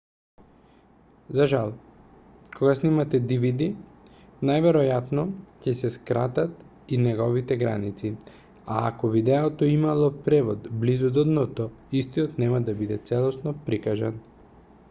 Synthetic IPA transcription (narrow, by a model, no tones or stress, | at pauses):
zaʒalˠ | kʰoɡasnimat̪ɛd̪ivid̪i | najvɛɾɔjat̪nɔcɛsɛskɾat̪at̪ | inɛɡɔvit̪ɛɡɾa̰nit̪si | a̰ːkɔvid̪ɛɔt̪ɔimalˠɔpɾɛvɔd̪blizud̪ɔd̪nɔt̪ɔist̪iɔt̪nɛmad̪abid̪ɛt̪sɛlˠɔsnɔpɾikaʒan